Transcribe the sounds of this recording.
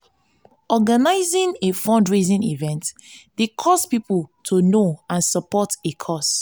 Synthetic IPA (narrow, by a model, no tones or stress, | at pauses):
ɔɡanaɪzĩnefɔ̃ndɹezĩnivɛ̃ntdekʰɔspipultʰunoãnsəpɔtekʰɔs